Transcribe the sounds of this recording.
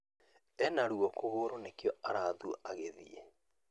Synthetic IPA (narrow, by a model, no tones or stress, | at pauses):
ɛnaɾuɔkoɣoːɾonekjɔaɾaːðuʔaɣeðḭḛ